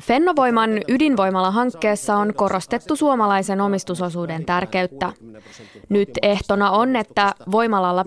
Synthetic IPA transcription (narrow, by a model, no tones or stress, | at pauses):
fe̞nːoʋo̞jmɑnydinʋo̞jmɑlːɑɦɑŋkːe̞ːsːɑo̞nko̞ro̞st̪e̞t̪ːusuomɑlɑjse̞no̞mist̪uso̞suːde̞nt̪ærke̞yt̪ːæ | nyt̪e̞ht̪o̞nɑo̞ne̞t̪ːæʋo̞jmɑlɑlːɑ